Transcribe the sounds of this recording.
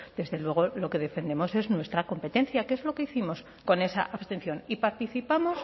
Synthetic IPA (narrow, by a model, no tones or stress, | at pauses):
d̪̥e̞zðe̞lwe̞ɣ̞o̞lo̞ke̞ðe̞fẽ̞nd̪emo̞se̞znwe̞st̪ɾako̞mpe̞t̪e̞nθjakeezlo̞ke̞iθimo̞s | ko̞ne̞sa̰ʔaβst̪e̞nθjo̞nipaɾt̪iθipamo̞s